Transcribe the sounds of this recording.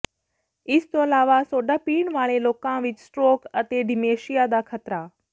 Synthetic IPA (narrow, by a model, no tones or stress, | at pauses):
ɪst̪oəlaːʋasoːɖapiːɳʋaːɭ̃ẽloːkãʋɪt͡ʃsʈɾoːkət̪eɖʱimeːʃijad̪akʰət̪ɾa